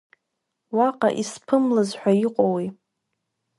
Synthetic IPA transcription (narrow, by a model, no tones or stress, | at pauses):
waqʼa̰ʔispʰɨmlazħʷᶣaiqʷʼowi